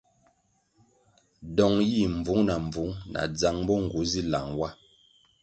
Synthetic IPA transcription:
dɔ˨ŋji˦˨m˨vu˨˦ŋna˨ɱ˨b͡vu˨˦ŋna̰˨d͡za˨ŋbɔ˦ŋ̩˨ɡu˨˦zi˦la˨ŋwa˦

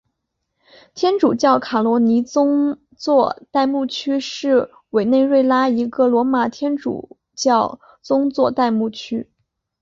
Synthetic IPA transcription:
t̪ʰjɛ˥nʈ͡ʂu˨˩t͡ɕjɑ˥˩ʊkʰa˨˩lwɔ˧˥ni˧˥t͡sʊ˥ŋ | t͡swɔ˥˧t̪a˥˧ɪmu˥˩t͡ɕʰy˥ʂɻ̩˥˩ | we˨˩ɪne˥˧ɪɻwe˥˧ɪla˥i˧˥ɡɤ˥˩lwɔ˧˥ma˨˩t̪ʰjɛ˥nʈ͡ʂṵ˨˩ | t͡ɕjɑ˥˩ʊ | t͡sʊ˥ŋt͡swɔ˥˧t̪a˥˧ɪmu˥˩t͡ɕʰy˥

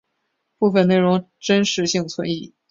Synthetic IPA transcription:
pu˥˧fə˥˧ne˥˩ɪʊ˧˥ŋ | ʈ͡ʂə˥nʂɻ̩˧˥ɕi˥˩ŋt͡sʰwə˧˥˦ni˥˩

